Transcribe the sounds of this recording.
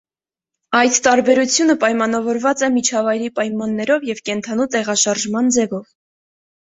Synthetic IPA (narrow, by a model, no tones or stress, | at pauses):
ɑjt̪ːɑɾbɛɾut͡sʰjunəpɑjmɑn̪ɑvɔɾvɑt͡sɛmit͡ʃʰɑvɑjɾipɑjmɑnːɛɾɔvjɛvkɛnt̪ʰɑnut̪ɛʁɑʃɑɾʒmɑnd͡zɛvɔv